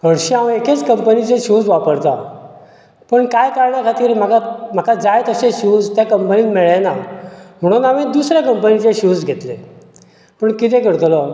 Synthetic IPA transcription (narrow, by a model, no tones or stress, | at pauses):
kəɽɕiãweket͡skəmpənit͡seɕud͡zʋapəɾt̪a̰ | pəɳkajkaɾɳjakʰat̪iːɾm̤akam̤akʰad͡zajt̪əseɕud͡zt̪jakəmpəniːlmeɭenam̤əɽ̃ũːnamid̪usɾjakəmpənit͡seɕud͡zɡʱet̪le | pəɳkit̪ekəɽt̪lɔ